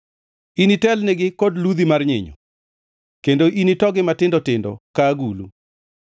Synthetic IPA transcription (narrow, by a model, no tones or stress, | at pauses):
initɛlneɡɪkodlud̪imarɲɪ̰ɲɔ̰ | kendoʔinitɔɡɪmatɪndɔtɪndɔ̰kaɡulṵ